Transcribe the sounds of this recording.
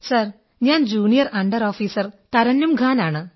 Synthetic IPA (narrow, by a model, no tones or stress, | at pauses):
sɐr | ɲaːnd͡ʑuːɳijɐrɐɳɖɐɾoːfiːsɐrt̪ɐɾɐnːumɡʱaːnaːɳɨ